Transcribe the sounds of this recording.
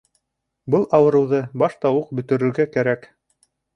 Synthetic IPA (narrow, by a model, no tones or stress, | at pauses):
bɤlˠʔɑwɤ̆ɾɤ̆wðɤbɑʃt̪ɑwɤq̚bɵ̆t̪ɵ̆ɾɵ̆ɾɡækæɾæk